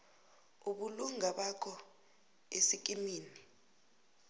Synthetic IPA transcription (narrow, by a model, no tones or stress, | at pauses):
uɓuluŋaɓakʰɔ | esik̬ʼimiːni